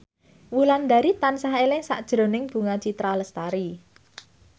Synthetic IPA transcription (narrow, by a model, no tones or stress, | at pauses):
wuland̪a̤ɾit̪ansaɦelɪŋsa̰ʔd̥ʒ̥ɾo̤nɪŋb̥ṳŋḁt͡ʃit̪ɾaləst̪aɾi